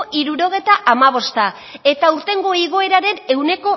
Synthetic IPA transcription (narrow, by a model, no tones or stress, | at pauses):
ʔiɾuɾo̞ɣ̞e̞jt̪aʔamaβ̞o̞st̪a | e̞t̪auɾt̪e̞ŋɡo̞iɣ̞o̞e̞ɾaɾe̞ne̞wne̞ko̞